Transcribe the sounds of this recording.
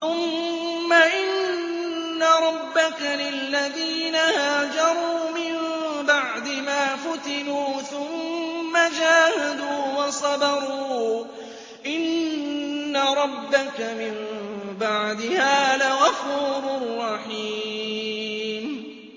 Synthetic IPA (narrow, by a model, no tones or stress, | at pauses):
θʊmː | aʔɪnː | aɾˤɑbːakalɪlːaðiːnahaːd͡ʒɑɾˤuːmɪmbaʕd̪ɪmaːfʊt̪ɪnuːθʊmːad͡ʒaːhad̪uːwɑsˤɑbɑɾˤuː | ʔɪnː | aɾˤɑbːakamɪmbaʕd̪ɪhaːlaɣafuːɾʊrˤːɑħiː | m